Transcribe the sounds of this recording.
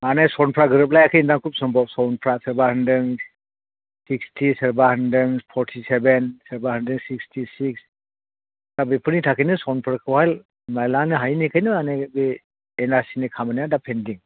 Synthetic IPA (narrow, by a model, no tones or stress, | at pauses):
anajsɔnpʰɾaɡɯɾɯp̬̚lajakʰɯindaŋkʰup̚sɔmbɔsɔwnpʰɾasəɾbahandɯŋ | sikstʰiseɾbahandɯnpʰɔɾtʰisebensəɾbahandɯŋsik̚stʰisiks | d̥abepʰɯɾnitʰakʰijnɯsɔwnpʰɾakʰɯwhajl | najlanɯɦajnikʰajnɯanajbe | enaɾsinikʰamanijadapʰendiŋ